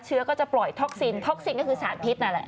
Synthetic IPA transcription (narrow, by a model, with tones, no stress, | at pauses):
t̚t͡ɕʰɯ˦˥ɐkɔː˥˩t͡ɕa˨˩plɔ˨˩jt̪ʰɔ˦˥k̚si˧nt̪ʰɔ˦˥k̚si˧nkɔː˥˩kʰɯː˧saː˩˦npʰi˦˥t̪̚na˦˥nlɛ̰˨˩ʔ